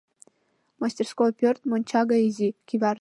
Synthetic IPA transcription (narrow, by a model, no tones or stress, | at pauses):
masʲt̪ʲerskopʲørt̪monʲt͡ɕɑɡaizʲikʲivʲɑr